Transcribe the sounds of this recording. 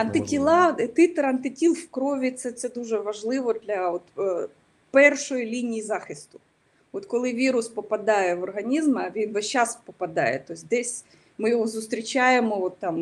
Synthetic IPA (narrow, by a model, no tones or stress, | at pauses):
ɐnt̪ɪtʲɪlˠɑt̪ɪt̪eɾɐnt̪ɪtʲilˠfkɾoʋʲit̪sɛt̪sɛd̪uʐɛʋɐʐlˠɪʋɔd̪lʲɐot̪ | pɛrʂɔjlʲinʲijizɑxɪst̪ʊ̥ | ot̪kɔlˠɪʋʲiɾʊspɔpɐd̪ɑjɛʋɔrɦɐnʲizmɐʋʲinʋɐʃaspɔpɐd̪ɑ̰jɛ̰t̪ːojsʲd̪ɛsʲ | mɪjɪɦozʊst̪ɾʲɪt͡ɕajemoʋot̪ːam